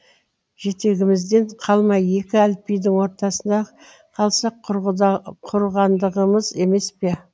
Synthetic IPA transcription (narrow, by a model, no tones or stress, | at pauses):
ʒ̥e̞t̪e̞ɡʲɪmɪzd̪e̞ɴqʰɑlˠmɑje̞kʲɪælpijd̪ɪŋwo̞ɾt̪ɑsənd̪ɑ | qʰɑlˠsɑq | qʰʊɾʁɑnd̪əʁəməze̞me̞spe̞